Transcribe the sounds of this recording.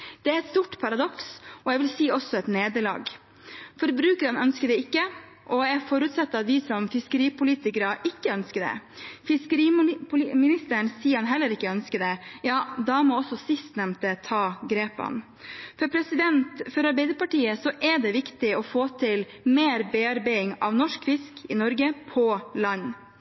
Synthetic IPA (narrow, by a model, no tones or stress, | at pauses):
d̪̥ɛæɾɛt̪st̪uːʈːpʰɑɾɑd̪ɔksɔjɛɪʋɪlsiːɔsːɔɛt̪neːd̪əɭɑ̰ːɡ | fɔɾbɾʉːkəɾɑnœnskəd̪ɛɪkːə | ʔɔæfɔɾʉːt̪sɑt̪ːəɑt̪ʋɪsɔmfɪskəɾiːpʊliːt̪ɪkəɾɑʔɪkːəœnskəɖ̪ɛ̰fɪskəɾiːpʰʊlmɪnɪst̪əɳsiːəɾhɑnɦɛlːəɾɪkːəœnskəd̪ɛjɑːd̪ɑmɔɔsɔsɪst̪nɛmt̪ət̪ʰɑːɡɾeːpɑ̰n | fɔɾpʰɾɛsɪd̪ɛnt̪fɔɾɑɾbɛɪd̪əɾpɑʈiːəsɔʔɛɖɛʋɪkt̪ɪɔfoːt̪ʰɪl | meːɾbeɑɾbæɪɪŋɑ̰ʋnɔʂkfɪskɪnɔɾɡəpʰɔlɑɲː